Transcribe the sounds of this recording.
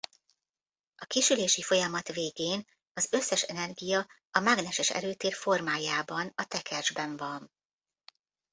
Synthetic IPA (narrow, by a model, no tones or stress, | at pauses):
ɒkeːʃyleːʃifo̞jɒmɒt̪veːɡeːn | ɒzø̞sːɛʃɛnɛrɡijɒ | ɒmaɡnɛʃɛʃɛ̰løːt̪eːrfo̞rmaːjaːbɒnɒt̪ɛkʰɛrʒbɛɱvɒn